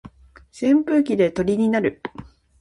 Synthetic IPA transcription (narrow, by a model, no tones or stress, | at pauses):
sẽ̞mpɯ̟ːkʲid̪e̞t̪o̞ɾʲiɲ̟inaɾɯ̟